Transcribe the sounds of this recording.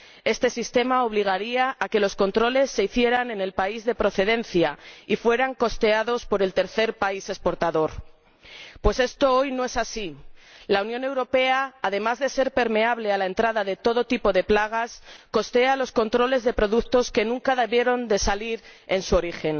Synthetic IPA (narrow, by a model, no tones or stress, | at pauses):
e̞st̪e̞sist̪e̞mao̞β̞liɣ̞aɾiaːke̞lo̞sko̞nt̪ɾo̞le̞sːe̞iθje̞ɾane̞ne̞lpaizðe̞pɾo̞θe̞ðe̞nθjaifwe̞ɾaŋko̞st̪e̞aðo̞spo̞ɾe̞lt̪e̞ɾθe̞ɾpaise̞spo̞ɾt̪aðo̞ɾ | pwe̞se̞st̪o̞o̞jnoe̞sasilaunjone̞wɾo̞pe̞aːðe̞mazðe̞se̞ɾpe̞ɾme̞aβle̞alaent̪ɾaðaðe̞t̪o̞ð̞o̞t̪ipo̞ðe̞plaɣ̞asko̞st̪e̞alo̞sko̞nt̪ɾo̞le̞zðe̞pɾo̞ðukt̪o̞ske̞nũŋkaðeβje̞ɾo̞nd̪e̞saliɾe̞nsuo̞ɾixe̞n